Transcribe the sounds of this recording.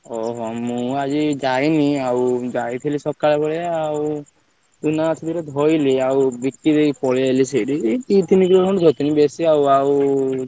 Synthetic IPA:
ɔɦɔmũad͡ʒid͡ʒajniawd͡ʒajt̪ʰilisɔkaɭebɔɭeaw | t̪unat͡ʃʰid̪iɾɔd̪ʱɔjliawbikːid̪ejpɔɭeeliseɖikit̪inikɾɔɦɔʈd̪ʱɔt̪inibesiawaw

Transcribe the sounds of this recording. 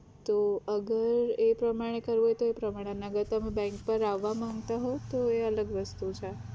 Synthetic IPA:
t̪oəɡəɾepɾəmaɽ̃ekəɾʋɦojt̪oepɾəmaɽ̃eəneəɡəɾt̪əmebɛ̃ŋkpəɾaʋːamãŋɡt̪aɦot̪oeələɡʋəst̪ut͡ʃʰe

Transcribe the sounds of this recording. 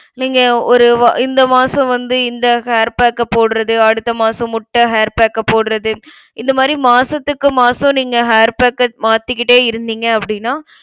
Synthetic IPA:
niːŋɡɐɔɾɯʋʔɪnd̪ɐmaːsɐ̃ʋɐnd̪ɯɪnd̪ɐheːɾpaːkːɐpoːɽɯɾɐðɯɐɽɯt̪ːɐmaːsɐ̃mʊʈːɐɦeːɾpeːkːɐpoːɽɯɾɐðɯ | ɪnd̪ɐmaːd̪ɾimaːsɐt̪ːɯkːɯmaːsɐ̃niːŋɡɐɦeːɾpeːkːɐmaːt̪ːɪkːɪʈːeːɪɾɯnd̪iːŋɡɐɐpːɐɽɪnːaː

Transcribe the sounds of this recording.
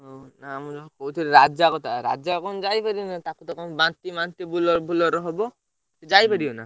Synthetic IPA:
ɦonaːmɔd͡ʒɔkʰɔkowt̪ʰiɾɾad͡ʒakɔt̪aɾa̰d͡ʒakɔnɔd͡ʒajpaɾibɔnat̪akut̪ɔkʰɔnbant̪ibant̪ibulɔɾbʱulɔɾɔɦɔbɔ | t̪ed͡ʒajpaɽiɔna̰

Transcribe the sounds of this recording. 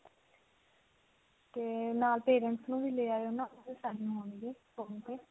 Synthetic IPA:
t̪eːnaːlpeːɾəɳʈsnũːbiːleːaːeonãːbiːsaːɦũːɦoːɳieː | õt̪eː

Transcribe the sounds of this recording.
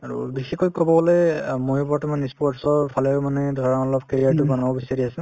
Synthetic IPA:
aɹṵbixɛkɔjkɔbɔbɔlejmojɔpɔatumanɛspɔtsɔɹpʰalɛmanɛdʱɔɹɔnɔlɔb̚keɹijaɹtʊbanɔbɔbisaɹiasɛ

